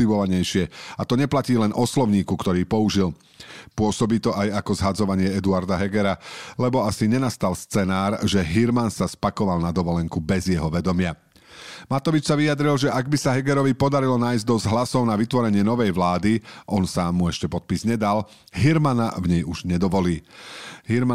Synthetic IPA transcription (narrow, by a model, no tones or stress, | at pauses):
iʋɔʋaɲɛjʃɪɛat̪ɔɲɛplaciːlɛnʔɔslɔʊɲiːkukt̪ɔɾiːpɔuʒil | pʊɔsɔbiːt̪ɔʔajakɔzɦad͡zɔʋaɲɪɛɛd̪uaɾd̪aɦɛɡɛɾalɛbɔasiɲɛnast̪alst͡sɛnaːɾʒɛɦiɾmansaspakɔʋalnad̪ɔʋɔlɛŋkubɛzjɛɦɔʋɛd̪ɔmɪa | mat̪ɔʋit͡ʃsaʋijad̪ɾilʒɛʔaɡbisaɦɛɡɛɾɔʋipɔd̪aɾilɔnaːjzd̪ɔzɦlasɔʊnaʋit̪ʋɔɾɛɲɪɛnɔʋɛjʋlaːd̪iʔɔnsaːmːuɛʃcɛpɔt̪̚pizɲɛd̪al | ɦiɾmana̰vɲɛjuʒɲɛd̪ɔʋɔliːɦiɾm